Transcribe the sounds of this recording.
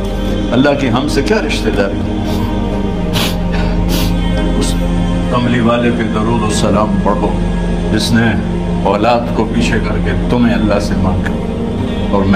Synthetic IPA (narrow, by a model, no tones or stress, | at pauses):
ɐlːaɦkiɦɐmsekjaːɾɪʃt̪ed͡ʒ̪aːɾi | ʊs | kɐmliʋaːlekeɡɐɾoːd̪osɐlaːmpɐɽ̤o | d͡ʒɪsne | ɔːlaːd̪kopiːt͡ʃʰekɐɾket̪ʊmẽɐlːasemãːŋkɐ | ɔːɾm